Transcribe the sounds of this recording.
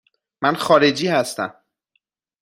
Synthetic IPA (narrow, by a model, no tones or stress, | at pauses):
mænxɒːɾe̞d͡ʒiːhæst̪æ̰m